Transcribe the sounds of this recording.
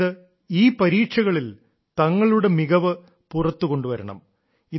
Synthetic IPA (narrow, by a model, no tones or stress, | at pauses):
ɨ | iːpɐɾiːʈʂɐɣɐɭil | t̪ɐŋːɐɭuɽe̞miɣɐʋɨ | purɐt̪ːuko̞ɳɖuʋɐɾɐɳɐ̰m | i